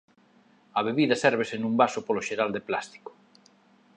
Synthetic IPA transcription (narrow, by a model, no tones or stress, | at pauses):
ɐβeβiðɐsɛɾβ̞esenũmbasopoloʃeɾald̪eplast̪i̥ko̥